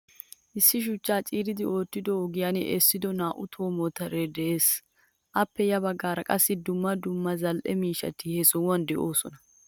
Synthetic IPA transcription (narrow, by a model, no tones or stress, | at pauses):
ʔɪsːɪʃ̬ʊt͡ʃːaːt͡ʃʼiːɾɪd̪ɪʔo̞ːt̪ːɪd̪ɔɔɡɪjanɛʔɛsːɪd̪ɔnaːʔʊt̪ʰo̞ːmɔt̪ɐɾɛd̪ɛʔeːs | ʔɐpːɛjɐbɐɡːaːɾɐkʼɐsːɪd̪ʊmːɐd̪ʊmːɐzɐlʔɛmiːʃɐ̰t̪ɪhɛsɔʊwɐnd̪ɛʔo̞ːsɔnɐ